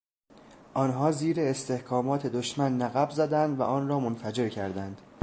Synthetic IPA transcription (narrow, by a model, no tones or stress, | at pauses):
ʔɒːnɦɒːziːɾeːst̪e̞hkʰɒːmɒːt̪ʰe̞d̪oʃmænːæɣæbzæd̪ænd̪væ̰ʔɒːnɾɒːmonfæd͡ʒe̞ɾcʰæɾd̪ænd̪̥